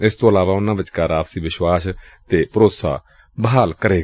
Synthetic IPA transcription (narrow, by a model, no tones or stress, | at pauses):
ɪst̪õːəlaːʋaːʊnãːʋɪt͡ʃkaːɾaːpsiːʋɪʃwaːs | t̪eːpəɾoːt̪sa̰ː | bəɦaːlkəɾeːɡ